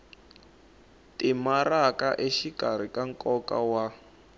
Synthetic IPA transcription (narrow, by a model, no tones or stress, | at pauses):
timarakaʔeʃikʼaɾ̤ikaŋ̩kʼɔkawa